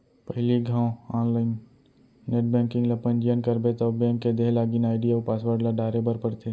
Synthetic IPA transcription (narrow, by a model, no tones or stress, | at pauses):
pɐɦliɡʱãːõaːnlaːɪnː | eːʈ̚bɛ̃ŋkɪ̃ŋɡlɐpənd͡ʒijənkəɾbet̪ɔbɛ̃ːŋkːed̪eɦlaːɡinaːɪɖijaupaːsʋəɾɖlaɖaːɾebəɾpɐɾt̪ʰeː